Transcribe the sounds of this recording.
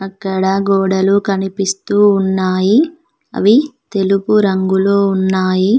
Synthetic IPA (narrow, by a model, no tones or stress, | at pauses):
ɐkːɐɽɐɡɔːɽɐlukɐnipist̪uːnːaːji | ɐ̰ʋit̪e̞lupuɾɐŋɡuloːunːaːji